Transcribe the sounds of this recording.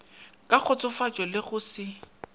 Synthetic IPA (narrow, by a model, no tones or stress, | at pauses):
kʼak͡xʰɔt͡sʼʊfat͡ʃʼɔlɪɣʊsɪ